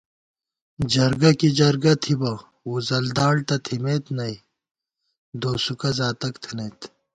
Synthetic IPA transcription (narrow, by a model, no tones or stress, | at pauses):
d͡ʑɐɾɡɐkid͡ʑɐɾɡɐt̪ʰibɐ | uːzɐld̪aːɽt̪ɐt̪ʰimeːt̪nɐi | d̪oːsukɐzaːt̪ɐkt̪ʰineːt̪